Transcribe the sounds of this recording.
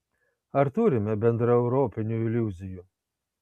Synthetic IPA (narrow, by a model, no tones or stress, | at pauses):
ɐɾt̪uːɾʲɪmʲɛbʲɛnd̪ɾɐɛʊɾoːpʲɪnʲuɪlʲuzʲɪju